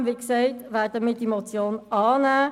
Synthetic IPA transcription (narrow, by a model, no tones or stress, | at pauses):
mʋiːksɛɪtʋæːd̥əmiːdiemot͡sjoːnɑːnæː